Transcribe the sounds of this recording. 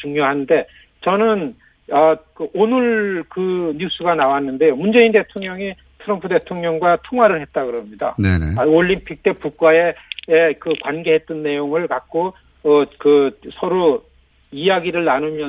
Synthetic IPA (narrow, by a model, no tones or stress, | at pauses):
t͡ɕuŋɲoɦannde̞ | t͡ɕʌnɯn | ʌkɯonɯɭkɯɲus͈ʰuɡanawanːɯnde̞jomund͡ʑe̞inde̞tʰoŋɲʌŋi | tʰɯɾʌmpʰude̞tʰoŋɲʌŋɡwatʰoŋwaɾɯɭɦe̞t̚t͈aɡɯɾʌmɲida̰nḛneoʎːimpʰik̚t͈e̞puk̚k͈wae̞ekɯkwanɡe̞ɦe̞t͈̚ʌnːe̞joŋɯɭkak̚k͈o | ʌkɯsʰʌɾo | ijaɡiɾɯɭnanomjʌ